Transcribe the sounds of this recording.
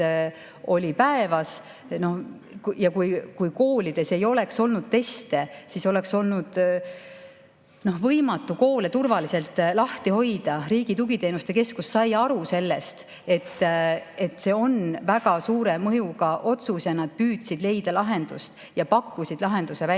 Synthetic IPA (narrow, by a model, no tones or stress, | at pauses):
o̞lʲipæe̞vɑs | no̞h | kjɑkujkujko̞ːlid̪̥e̞se̞jo̞le̞kso̞lnud̪̥̚t̪e̞st̪e̞siso̞le̞kso̞lnud̪̥ | no̞hvɤjmɑt̪ːˑuko̞ːle̞t̪urvɑliselt̪ːˑlɑht̪iho̞jd̪̥ɑriːɡ̥it̪uɡit̪e̞ːnust̪e̞ke̞skusːɑjɑɾuse̞lːe̞st̪ | e̞t̪ːe̞t̪ːse̞ːo̞nvæɡɑsuːɾe̞mɤjukɑʔo̞t̪susjɑnɑd̪̥̚pyːd̪̥sid̪le̞jd̪̥ɑlɑɦe̞nd̪̥ust̪ | jɑpɑkːusid̪̥lɑɦe̞nd̪usevæ